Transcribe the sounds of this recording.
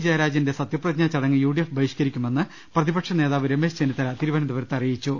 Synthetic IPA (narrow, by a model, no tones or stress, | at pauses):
d͡ʑɐjɐɾaːd͡ʑjɐndesɐt̪jɐprɐɲat͡ɕːɐɽɐŋːɨjuːɽijefbʱɐjiɕkɐɾikʲːume̞nːɨ | prɐðibɐkʂɐne̞ːðaːʋiɾeme̞ːst͡ɕenit̪ːɐɾɐt̪iɾubɐnɐmd̪uʋɐɾt̪ːɐrijit͡ɕːu